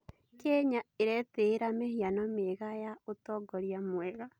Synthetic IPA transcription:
kɛɲaeɾɛteɾamehianɔmeɣajaotɔɡɔɾiamwɛɣa

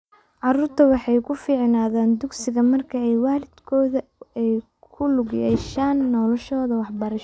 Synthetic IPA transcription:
ʕɑɾuːrt̪ʰɐwɑħɑjkʰʊfiːʕnaːðaːnd̪ʊɡsɪɣɐmɐrkʰɐɛjwaːlɪd̪̥kʰɔːðɐɛj | kʰʊlʊɣjɛːʃaːnːɔlɔʃɔːðɐwɑħbɐɾɐʃ

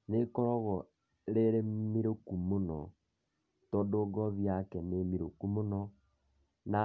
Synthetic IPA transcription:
nekɔɾɔɣɔ | ɾeɾemiɾokumonɔ | tɔdoːɡɔβjakɛnemiɾokumonɔ | na

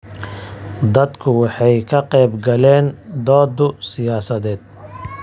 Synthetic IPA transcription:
d̪ɐd̪kʰʊwɑħɑjkʰɐqɛjbɡɐlɛːnd̪ɔːd̪ʊsɪjaːsɐðɛːd̪̚

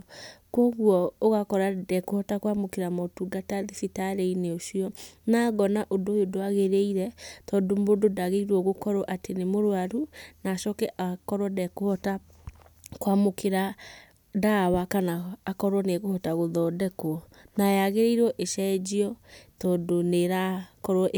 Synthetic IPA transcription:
kwɔɣwɔoɣakɔɾadɛkohɔtakwamokeɾamɔtuɡataðifitaɾeineoʃiɔnaɣɔnaʔodojodoaɣeɾeiɾɛtɔdombododaɣeiɾwɔɣokɔɾɔʔatenemoɾwaɾunaːʃɔkɛʔakɔɾwɔdɛkohɔta | kwamokʰeɾa | dawakanaːkɔɾwɔneɣohɔtaɣoðɔːdɛkoɔ | najaɣeɾeiɾɔʔeʃɛd͡ʑiɔtɔːdoneɾakɔɾɔʔ

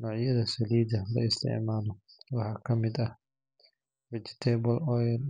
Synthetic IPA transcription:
nɔːʕjɐðɐsɐliːdɐlɐ̰ɪst̪ʰɪ̰ʕmaːlɔwɑħɑːkʰɐmɪd̪ɐh | wɛt͡ʃɪ̥t̪ʰɛːbɔlɔjɐl

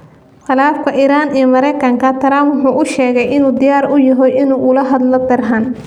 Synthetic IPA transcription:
qɑlaːfkʰɐʔiːɾaːnijɔmɐɾɛjkʰɐŋkʰɐt̪ʰɐɾaːmwʊħuːʔʊʃɛːɣɛjɪnuːd̪ɪjaːɾʊjɐɦɔjʔɪnuːʔʊlɐɦɐd̪lɔd̪ɐrɦɐn

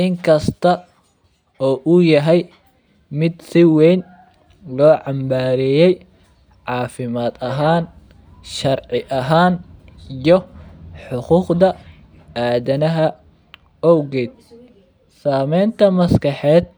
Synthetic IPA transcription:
ʔɪŋkʰɐst̪ʰɐ | ɔːʔʊjɐɦɛj | mɪd̪sɪwɛjn | lɔːʕɑmbaːɾɛjɛj | ʕɑːfɪmaːd̪ɐɦaːn | ʃɐrʕɪʔɐɦaːnjɔħʊquːqd̪ɐ | aːðɐnɐɦɐ | ɔwɡɛːd̪̚ | saːmɛjnt̪ʰɐmɐskɑħɛːd̪̚

